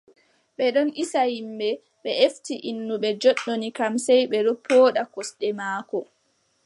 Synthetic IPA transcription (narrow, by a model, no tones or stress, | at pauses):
ɓɛɗɔnʔisahimbɛ | ɓɛeftiʔinːuɓɛd͡ʒɔɗːonikamsɛjɓɛɗopʰːoːɗakɔsɗɛmaːkɔ